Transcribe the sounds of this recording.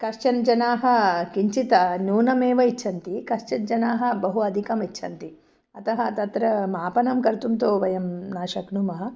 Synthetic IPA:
kɐʃt͡ʃɐnd͡ʒɐnaːɦɐ̆kiɲt͡ʃit̪ɐnuːnɐmeːʋɐitːʃʰɐnt̪ikɐʃt͡ʃɐnd͡ʒɐnaːɦɐ̆bɐɦuɐd̪ʱikɐmitːʃʰɐnt̪i | ɐt̪ɐɦɐ̆t̪ɐt̪ɾɐmaːpɐnɐmkɐɾt̪umt̪oːʋɐjɐmnaːʃɐknumɐɦɐ

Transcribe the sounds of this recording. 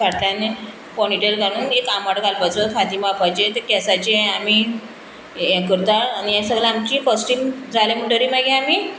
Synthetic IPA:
aʈljane | pɔniʈelɡaɽ̃uːnekamaɽɡalbəd͡zəkʰad̪imapajd͡ʑet̪ekɛsat͡ɕeami | kəɾt̪aɾañijasəɡlaamt͡ɕiːfəsʈiːmd͡zʱalemuʈəɾiːmaɡẽamiː

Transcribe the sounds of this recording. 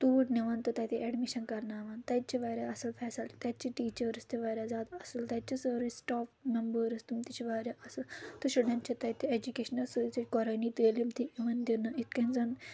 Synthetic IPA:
t̪uːʈniʋɐnt̪ɨt̪ɐt̪iʔeɖmiʃɐnkɐɾnaːʋaːnt̪ɐjt̪̚t͡ʃʰiʋaːɾʲaɐsɐlfʰɛːsɐlt̪ɐt̪̚t͡ʃʰiʈiːt͡ʃɐɾɐst̪iʋaːɾʲazaːd̪ɐsɐlt̪ɐt͡ʃʰisɐɾisʈaːfmɐmbəɾɐst̪umt̪it͡ʃʰiʋaːɾʲjaʔɐsɐlt̪uʃɐɽɐnt͡ʃʰit̪ɐt̪ʰied͡ʒukeːʃɐnɐlsut͡sɐt͡ʃʲkɔɾɐnit̪eːlimt̪iiʋɐnd̪iɾnɐit̪̚kɐnzɐn

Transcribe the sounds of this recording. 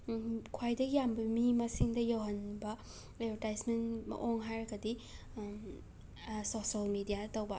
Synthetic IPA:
kʰwajdɐɡijambɐmimɐsiŋdɐjawɦɐnbɐ | ebʱeɾtajsmentmɐ̰ʔoŋɦajɾɐɡɐdi | sosɐlmidijaɐtɐwbɐ

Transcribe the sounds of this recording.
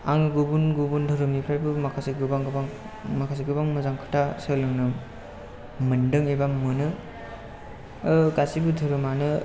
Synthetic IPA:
aŋɯɡubunɡubundʰʱɔɾɯmipʰɾajbɯmakʰasiɡɯbaŋɡɯbaŋ | makʰas̬iɡɯbaŋmɯzaŋkʰɯ̥tʰasɯlɯŋnɯ | mɯndɯŋebamɯnɯ | ɡasibudʰʱɯɾɯmanɯ

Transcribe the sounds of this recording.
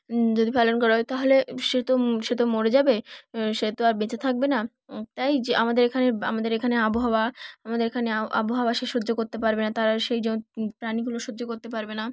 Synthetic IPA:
d͡ʑod̪ipalonkoɾajt̪aɦoleʃet̪oʃet̪omoɾed͡ʑabeʃet̪oaɾbet͡ɕet̪ʰak̚bena | t̪ajd͡ʑamad̪eɾekʰanea̰mad̪eɾekʰaneaboɦaoaamad̪eɾekʰaneaʔa̰boɦaoaʃeʃodːd͡ʑokoɾt̪epaɾbenat̪aɾaʃejd͡ʑepɾaniɡuloʃoːd͡ʑokoɾt̪epaɾbena

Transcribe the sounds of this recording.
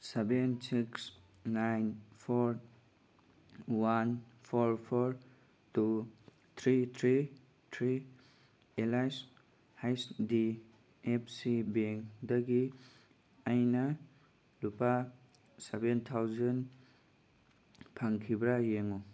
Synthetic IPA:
sebensiks | najnpʰoɾ | wanpʰoɾpʰoɾ | tu | t̪ʰɾit̪ʰɾi | t̪ʰɾi | elajs | hajsdi | epʰsibeŋdɐɡi | ajnɐ | lupa | sebent̪ʰawzɐn | pʰaŋkʰibɾajeŋu

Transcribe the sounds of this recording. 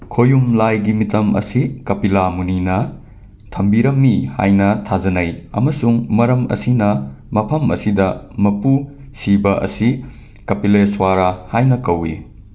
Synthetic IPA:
kʰojumlajɡimitɐmɐ̰sikɐpilamuninɐ | tʰɐmbiɾɐmːiha̰jnɐtʰazɐnɐjɐ̰mɐsuŋmɐɾɐmɐ̰sinɐmɐpʰɐmɐ̰sidɐmɐpu | sibɐʔɐ̰si | kɐpileswaɾahajnɐkɐwḭ

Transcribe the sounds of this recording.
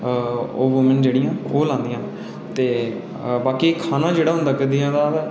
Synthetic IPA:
oːʋoːmə̃nd͡ʒeːɽɪjãːoːlãːnd̪ɪjãː | t̪eː | baːkikʰaːnãːd͡ʒeːɽaːɦʊnd̪aːkəd̪ijãːd̪aː

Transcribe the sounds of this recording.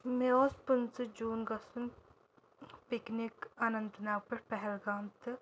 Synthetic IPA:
meoːspunt͡sɨd͡ʒuːnɡɐsun | pɪknikanɐ̃nt̪naːwpɐɾpɛɦɛlɡaːmt̪ɨ

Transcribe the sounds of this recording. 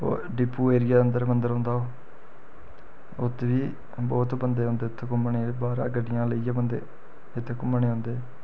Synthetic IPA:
o̰ːɖɪpːuːeːɾɪjaːənd̪əɾmənd̪əɾɦõːnd̪aːoː | ʊt̪ʰːeʋiː | bɔːt̪bənd̪eːɦõːnd̪eːʊt̪ʰːekʊmɳeːbaːɾa̰ːɡəɖɪjãːləiːjãːbənd̪eː | ɪt̪ʰːeːkʊmːɳeːɦõːnd̪eː

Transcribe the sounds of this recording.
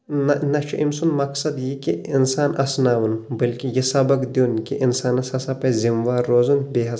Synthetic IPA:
nɐnɐt͡ʃʰuʔimsunmɐksɐd̪jikiinsaːnɐsnaːʋunbɐlkijisɐbɐkd̪oːnkiʔinsaːnɐsɐsɐpɐzimʋaːɾːoːzunbeɦɐ

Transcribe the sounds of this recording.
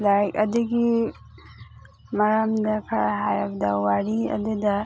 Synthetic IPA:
lajɐ̰duɡi | mɐɾamdɐkʰɐɾaɦajabɐdɐwaɾiɐ̰dudɐ

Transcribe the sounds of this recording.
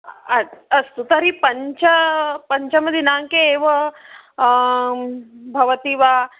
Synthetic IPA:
aəst̪ut̪əɾipəɲt͡ɕəpəɲt͡ɕaməd̪ʱːjenaŋkeːʋə | bʱɐʋət̪iːʋa

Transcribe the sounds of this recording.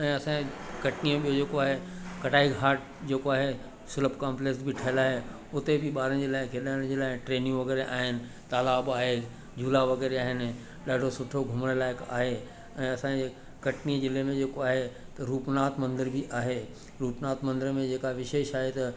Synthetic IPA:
ɛ̃ːɐsãkɐʈniõɓijod͡ʑeːkoaːɦekɐʈaːiɡʱaːʈ̚ | d͡ʑeːkoaːɦe | sʊləbkaːmpleksbʱɪʈʰɐɦɪlaːɦe | ʊt̪ebʱɪɓaːɾəñd͡ʑeːlaːɪkʰeɗaːɽ̃d͡ʑeːlaːɪʈɾeːnijũʋɐɡɛːɾeʔa̰ːɦɪnɪ̆ | t̪aːlaːbaːɦe | d͡ʑuːlaʋɐɡɛːɾeaːɦɪnɪ̆ | ɗaːɖʱosʊʈʰoɡʱʊməɽ̃əlaːɪka̰ːɦe | ɛ̃ːɐsãd͡ʑeː | kɐʈnid͡ʑɪlemẽd͡ʑeːkoaːɦet̪ɐɾuːpnaːt̪mɐ̃nd̪əɾbʱiʔaːɦe | ɾuːpnaːt̪mɐ̃nd̪əɾmẽd͡ʑeːkaʋɪʃeːʃaːɦet̪ɐ

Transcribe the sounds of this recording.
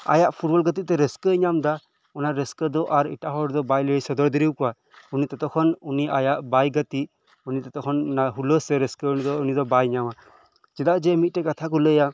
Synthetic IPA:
a̰jaʔpʰuʈbɔlɡət̪̬it̪̚t̪ɛɾəskəɲamd̪a | ɔnaɾəskəd̪ɔʔaɾḭʈaɦɔɽd̪ɔbajləsɔd̪ɔɾd̪iɾiwkɔwa | unit̪ɔt̪ɔkʰɔnuniajaʔbajɡət̪i | unit̪ɔt̪ɔkʰɔnnaɦuləsɛɾəskəunid̪ɔunid̪ɔbajɲama | d͡ʒɛd̪aʔd͡ʒɛmit̪̚ʈɛkat̪ʰak̬ɔləja

